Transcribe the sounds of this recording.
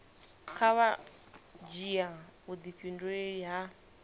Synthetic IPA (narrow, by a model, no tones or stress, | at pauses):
kʰaβa | d͡ʒiaud̪iɸindueɺiɦa